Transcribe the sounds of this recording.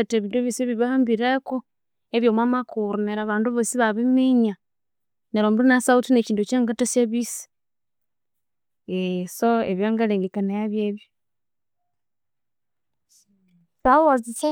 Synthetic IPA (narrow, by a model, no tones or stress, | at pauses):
teβindoβiseβiβahaːmbiɾeko | eβjomwamakuɾuneɾaβaːnduβosiβaβimeɲa | neɾoːmbuunasautineciːndut͡ʃaːŋɡatasjeβisi̥ | esoeβjaːŋɡaleːŋɡekanajaβjeβjo | twaβozise